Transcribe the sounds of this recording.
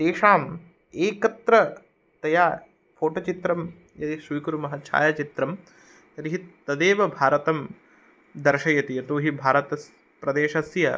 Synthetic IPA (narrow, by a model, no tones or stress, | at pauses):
d̪eːʂaːm | eːkɐt̪ɾɐ | t̪ɐjaː | pʰoːʈot͡ʃit̪ɾɐm | jɐt̪iʃiːkuɾumɐɦɐt͡ʃʰa̰ːjɐt͡ʃit̪ɾɐm | t̪ɐɾiɦit̪ɐd̪eːʋɐbʱaːɾɐt̪ɐm | d̪ɐɾʃɐjɐt̪ijɐt̪uːɦibʱaːɾɐt̪ɐs | pɾɐd̪eːʃɐsjɐ